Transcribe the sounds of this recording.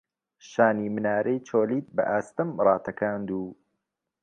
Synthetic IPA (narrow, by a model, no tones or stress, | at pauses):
ʃaːnimɨnaːɾejt͡ʃʰoːliːt̪̚bɐ̰ʔaːst̪ɨmrɑːt̪ʰɐkʰaːnd̪uː